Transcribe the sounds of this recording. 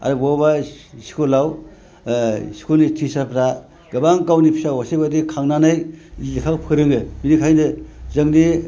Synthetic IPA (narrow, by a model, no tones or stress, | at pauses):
a̰ɾubabasi̥kʰolaw | si̥kʰonitʰisapʰɾa | ɡɯbaŋkawnipʰi̥sawasejbadikʰaŋnanajlikʰakpʰɯɾɯŋɯminikʰajnɯzɯŋni